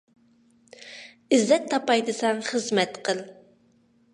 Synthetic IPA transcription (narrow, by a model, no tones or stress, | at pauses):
ɪzːɛt̪ʰːɑpɑjd̪ɨsɑŋχəzmɛt̪qʰəlˠ